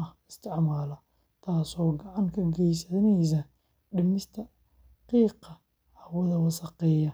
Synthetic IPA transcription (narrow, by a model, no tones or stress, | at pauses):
ɐɪst̪ʰɪʕmaːlɐ | t̪ʰaːsɔːɡɑʕɑŋkʰɐɡɛjsɐðnɛjsɐ | ɖɪmɪst̪ʰɐ | qiːqɑ | hɐwɐðɐwɐsɑqɛːjɐ